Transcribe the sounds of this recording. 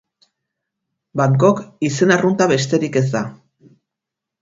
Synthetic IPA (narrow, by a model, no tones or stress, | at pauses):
baŋko̞kise̞narunt̪aβe̞st̪e̞ɾike̞zd̪a